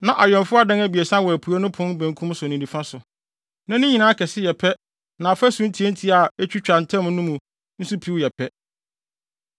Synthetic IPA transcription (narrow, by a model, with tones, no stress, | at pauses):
nã˨ʔa˨ɥɛ̃˨nfʊ˦a˦dã˦ŋæ˦bi˨e˨sã˦wɔ˨æ˨pʰu˨a˦nʊ̃˦pʰʊ̃˦n˦bæ̃˨ŋkʰũ˦m˦sʊ˨nĩ˨nĩ˨fã˦sʊ˨ | nã˦nɪ̃˦ɲĩ˨nãː˦kʰɛ˨sɪ˦jɛ˨pʰɛ˦ | nã˨fæ˦sũ˦n̩˦tʰi˨˦e˦n̩˦tʰi˦a˨e˦t͡ɕᶣi˦t͡ɕᶣã˨n̩˨tʰɛ̃˦m˦nʊ̃˦mũ˨ | n̩˦su˦pʰi˨˦wjɛ˨pʰɛ˦